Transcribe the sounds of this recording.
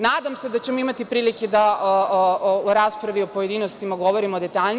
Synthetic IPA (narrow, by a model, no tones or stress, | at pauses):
naːd̪amse̞d̪at͡ɕemoimat̪ipɾiːliked̪aʔooɾaːspɾaʋiopoje̞d̪iːnost̪imaɡo̞ʋoɾimod̪e̞t̪aʎn